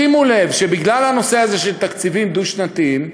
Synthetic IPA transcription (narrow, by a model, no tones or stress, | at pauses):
imule̞vʃe̞biɡlalhano̞se̞aze̞ʃelt̪akt͡sivimd̪uʃnat̪im